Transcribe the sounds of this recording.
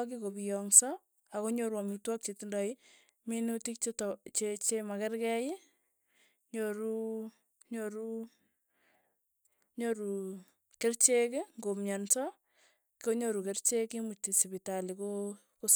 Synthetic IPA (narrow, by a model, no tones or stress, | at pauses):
k̬ikobijɔŋsɔ | akoɲoɾwamitwak̚t͡ʃetindai | minutik̚t͡ʃett͡ʃet͡ʃemakɛrkɛji | ɲoɾu | ɲoɾu | ɲoɾu | kert͡ʃekɪŋɡomɲansɔ | kioɲoɾukert͡ʃekimutisibitaliko | ko